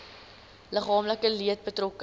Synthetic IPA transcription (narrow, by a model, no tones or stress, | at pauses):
ləχɑːmləkəliət̚bətrɔkə